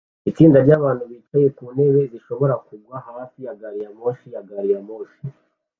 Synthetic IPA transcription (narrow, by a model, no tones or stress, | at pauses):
it͡siːndaɾɟaːβaːnhuβiːt͡ʃaje̞kuːne̞βe̞ziʃo̞βo̞ɾakuɡwahaːfijaɡaɾijamoʃijaɡaɾijamoːʃi